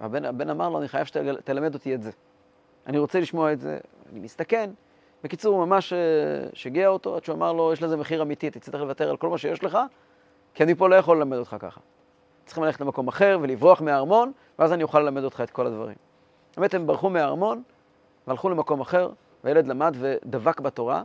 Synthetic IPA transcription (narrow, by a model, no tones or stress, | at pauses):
a̰benabe̞namaʁlo̞aniχajavʃet̪t̪elame̞d̪o̞t̪ietze | aniʁo̞t͡seliʃmo̞aetzḛva̰nimist̪ake̞n | bekit͡suʁmamaʃeʃaɡiaot̪o̞̰adʃuamaʁlo̞jeʃlezemeχiʁamit̪it̪it͡sit̪eχlevat̪e̞ʁalko̞lmaʃe̞jeʃle̞χa | kianipo̞lo̞jaχo̞lːelame̞do̞t̪χaka̰χḁ | tt͡sχimlaleetlemako̞maχe̞ʁve̞livʁoaχmeaːʁmo̞n | veazanijuχalːe̞lame̞do̞t̪χaet̪̚ko̞lad̪va̰ʁḭm | emet̪hembaʁχumeaʁmo̞n | vealχule̞mako̞maχe̞ʁ | vejeled̪lamadve̞d̪avakbato̞ʁa̰